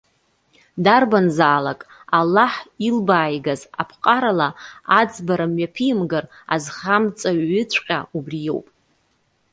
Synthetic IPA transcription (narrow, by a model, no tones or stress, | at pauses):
darbanzaːlakʼ | alːaħilbaːjɡaza̰pʰqʼaɾalaad͡zbaɾamɥapʰijmɡara̰zχamt͡sʼaɥːɪqʲʼaubrijo̞̰wpʼ